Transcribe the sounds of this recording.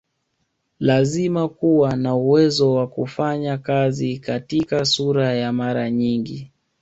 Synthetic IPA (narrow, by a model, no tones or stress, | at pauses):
lazimakuwanauwɛzɔwakufaɲakazikatikasuɾajamaɾaɲiŋɡi